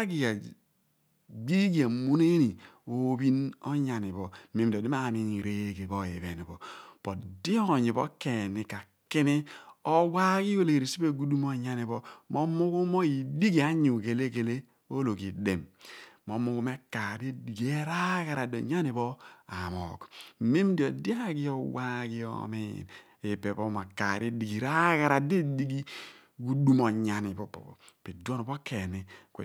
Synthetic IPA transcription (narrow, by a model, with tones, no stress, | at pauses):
a˦ɡi˨a˨ | ɡ͡bi˦ɡi˨a˨mu˦ne˦ni˨o˦bi˦no̰˦ɲa˨ni˨βɔ˨˦mi˨m˨do˨di˦m˦a˦˨mi˦˨ɾe˦ɡe˨bo˦˨je˨βe˨ni˨bɔ˨pɔ˨tdi˦o˦˨ɲi˨bɔ̰˦ke˨ni˨ka˨ | ki˦ni˦o˦wa˦ki˦o˦˨le˨ɾi˨si˦be˦˨ɡu˦du˦mo˦˨ɲa˦ni˨βɔ˦mo˦mu˦ku˦mo˦i˨di˦ɡi˨a˨˦ɲu˨ɡe˨le˦ɡe˨le˦ | o˦lo˨ki˨de˨mːo˨˦mu˦ku˦me˦ka˨di˦di˨ɡi˨e˦ɾa˦ɡa˨ɾa˨do̰˨ɲa˦ni˨bɔ˦a˨mɔ̰˨k̩˨me˦m˦di˨o˨da˦ki˦ɔ˨wa˦ki˦ɔ̰˦mḭ˦˨ | e˨pe˨bɔ˦ma˨ka̰˨ɾi˦di˨ɡi˨ɾa˦ɡa˨ɾa˨de˦di˦ɡi˦ | ɡu˦du˦mɔ˨ɲa˨ni˨bɔ˨pɔ̰˨ | pe˨do˦n˨bo˦kʰe˨ni˨k